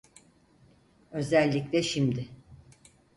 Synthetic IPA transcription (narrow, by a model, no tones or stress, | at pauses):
ø̞zælʲːicʲlʲɛʃimd̪ɪ